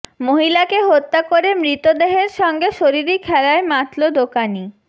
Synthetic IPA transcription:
moɦilakeɦot̪ːakoɾemɾit̪od̪eɦeɾʃɔŋɡeʃoɾiɾikʰɛɾaemat̪lod̪okani

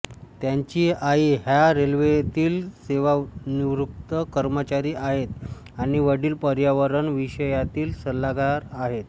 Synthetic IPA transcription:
t̪jaɲt͡ɕiːaiːɦjaɾelʋet̪iːlseʋaniʋɾuk̚t̪əkəɾmət͡ɕaɾiːʔaɦet̪ | aɽ̃iʋəɽiːlpəɾjaʋəɾəɳʋiɕəjat̪iːlsəlːaɡaɾaɦet̪

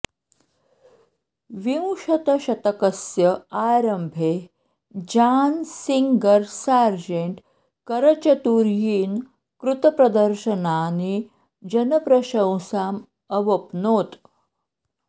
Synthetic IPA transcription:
ʋiw̃ʂɐt̪əɕɐt̪əkəsjəaɾəmbʱe | d͡ʑaːnsiŋɡəɾsaɾd͡ʑeɳʈ | kəɾət͡ɕət̪uɾjiːn | kɾut̪əpɾɐd̪əɾɕənani | d͡ʑənəpɾəɕə̃w̃saːm | əʋəpnoːt̪

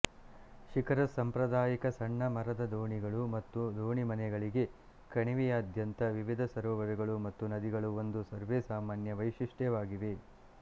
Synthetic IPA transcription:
ʃikʰɐɾɐsːɐmpɾɐd̪aːjikɐsɐɳːɐmɐɾɐd̪ɐd̪oːɳiɡɐɭumɐt̪ːud̪oːɳimɐnɛɡɐɭiɡe̞ | kɐɳiʋijaːd̪ʱjɐnt̪ɐʋiʋid̪ʱɐsɐɾɔːʋɐɾɛɡɐɭumɐt̪ːunɐd̪iɡɐɭuo̞nd̪usɐɾʋeːsaːmaːnjɐʋɐjʂiʂʈjɛʋaːɡiʋe̞

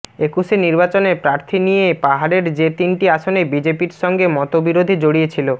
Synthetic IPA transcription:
ekuʃeniɾbat͡ɕonepɾaɾt̪ʰinijepaɦaɽeɾd͡ʑet̪inʈiaʃonebid͡ʑepiɾʃɔŋɡemɔt̪obiɾod̪ʱid͡ʑoɽijet͡ɕʰilo

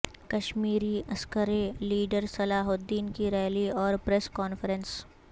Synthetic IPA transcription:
kɐʃmiːɾiɐskəɾeliːɖəɾsɐlaːɦʊd̪ːiːnkiɾɛːliɔːɾpɾɛskɔːnfəɾəns

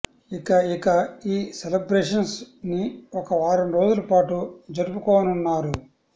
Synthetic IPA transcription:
ikɐikɐiːselɐbɾeːʂɐnsniɔkɐʋaːɾɐmɾo̞ːd͡ʒulɐpaːʈud͡ʒɐɾupukɔːwɐnunːaːɾu

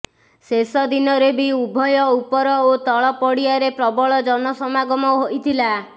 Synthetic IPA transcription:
sesɔd̪inɔɾebiubʱɔjɔupɔɾɔot̪ɔɭɔpɔɽiaɾepɾɔbɔɭɔd͡ʒɔnɔsɔmaɡɔmɔɦoʔit̪ʰila

